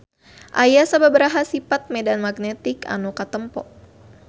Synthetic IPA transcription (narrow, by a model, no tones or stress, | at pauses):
ʔajasababəɾaɦasipat̪̚medanmaɡnɛt̪ika̰nukat̪əmpɔ̰ʔ